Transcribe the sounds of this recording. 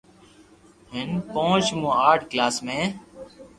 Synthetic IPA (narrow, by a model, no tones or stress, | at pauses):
ɦɪnpõːt͡ʃmũːaːʈʰklaːsmẽː